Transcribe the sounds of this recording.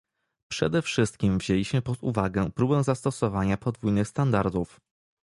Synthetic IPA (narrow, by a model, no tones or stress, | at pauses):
pʂɛ̰d̪ɛfʂɘst̪̚kʲimvʑelʲiɕmɘpɔt̪ṵvaɡɛpɾubɛw̃zast̪ɔsɔvaɲapɔd̪vujnɘxst̪and̪aɾd̪uf